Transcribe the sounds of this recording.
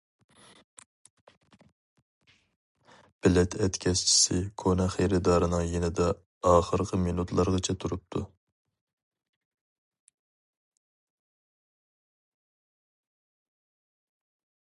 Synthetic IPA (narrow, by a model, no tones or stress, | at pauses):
b̥ɪlɛt̪ʰɛt̪kʲʰɛst͡ʃʰi̥sɪkʰonɛχejɾɪd̪ɑːɾɨnɨŋjenɪd̪ɛ | ɑːχəɾqʰəminut̪ʰlˠɑɾʁɑt͡ʃʰɛt̪ʰuɾup̚t̪ʰu